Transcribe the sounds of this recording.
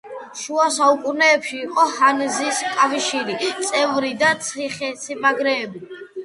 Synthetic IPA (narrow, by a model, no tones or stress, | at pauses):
ʃuasaukʼunɛːpʃiːqʼɔhanziskʼafʃiɾit̪sʼɛvɾid̪at̪sʰiχɛsimaɡɾɛːbi